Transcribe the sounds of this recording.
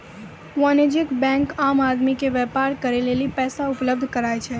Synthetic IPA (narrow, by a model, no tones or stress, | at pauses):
ʋɔned͡ʒɪkbɛ̃ŋkamad̪mikeʋɛpaɾkəɾelelipɛːsaʊpləb̚d̪ʱkəɾajt͡ʃʰe